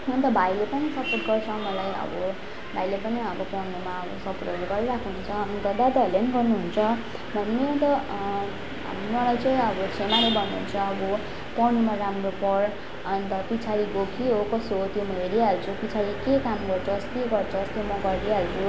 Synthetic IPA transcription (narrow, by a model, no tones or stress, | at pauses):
ʌnt̪ʌbʱajlepʌnisʌporʈɡʌrt͡sʰʌw̃mʌlajʌ̰bʌ | bʱajlepʌniʌbʌpʌnumaʌbʌsʌpoʈɡʌloɡʌɾiɾakʰuɦunt͡sʰʌʌmiɡ̪ʌd̪ad̪ʌleniɡʌrnuɦunt͡sʰʌ | bʱʌnːent̪ʌ | ɦmmʌlajt͡saĩʌbʌsʰemaɾobʱʌnːuɦunt͡sʰʌːbɔ | pʌñimaɾamropʌɾ | ʌnt̪ʌpit͡sʰaɾiɡokʰiɦokʌsot̪jomʌɦeɾialt͡sʰupit͡sʰaɾikekamɡʌrt͡sʰʌst̪eɡʌrt͡sʰʌst̪jomʌɡʌɾiɦalt͡sʰu